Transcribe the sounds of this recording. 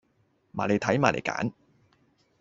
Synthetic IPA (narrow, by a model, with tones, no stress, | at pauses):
maː˨˩le˨˧jt̪ʰɐ˨˥jmaː˨˩lḛ˨˩jka̰ː˨˥n